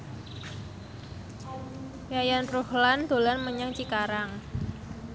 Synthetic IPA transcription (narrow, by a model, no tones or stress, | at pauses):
jajanruhland̪̥o̤lanməɲaŋt͡ʃikaɾaŋ